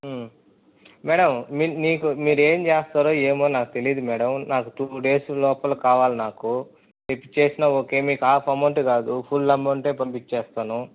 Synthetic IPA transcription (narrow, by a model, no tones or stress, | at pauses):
mɛːɽɐminiːkumiːɾe̞ːmt͡ʃeːst̪aːɾoːe̞ːmoːnaːkut̪e̞lijd̪umɛːɽɐmnaːkut̪uːɖe̞ːslɔːpɐlukaːʋaːlinaːku | t̪epːi̥t͡ʃe̞ːsinɐoke̞ːmiːkaːpʰɐɾmɐʈɡaːd̪upʰulːɐmːɐɳʈe̞ːpɐmpit͡ʃeːst̪aːnu